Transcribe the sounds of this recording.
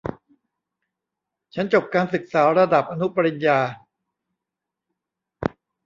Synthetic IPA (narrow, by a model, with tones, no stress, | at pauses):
t͡ɕʰa˦˥nt͡ɕo˨˩p̚kaː˧nsɯ˨˩k̚saː˩˦ɾa˧da˨˩p̚ʔa˧nu˦˥pa˧ɾi˧njaː˧